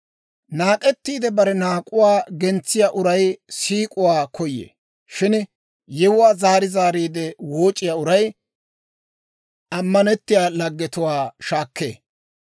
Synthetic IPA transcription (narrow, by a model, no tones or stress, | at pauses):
naːkʼɛt̪ːiːd̪ɛbɐɾɛnaːkʼʊwaːɡɛnt͡sːɪjaːʔʊɾɐjsiːkʼʊwaːkʰɔjːḛː | ʃɪn | jɛwʊwaːzaːɾɪzaːɾiːd̪ɛwoːt͡ʃʼːɪjaːʊɾɐj | ɐmːɐnɛt̪ːɪjaːlɐɡːɛt̪ʊwaːʃaːkːḛː